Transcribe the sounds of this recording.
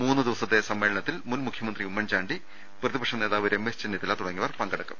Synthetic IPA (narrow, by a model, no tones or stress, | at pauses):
muːnːɨd̪iʋɐsɐt̪ːesɐmːe̞ːɭɐɳɐt̪ːilmunmukʰjɐmɐnd̪riumːɐnd͡ʑaːɳɖi | prɐðibɐkʂɐmne̞ːðaːʋiɾemːest͡ɕenːit̪ːilːaːt̪uɽɐŋːiʋɐrpɐŋɡɐɽɐkːɐm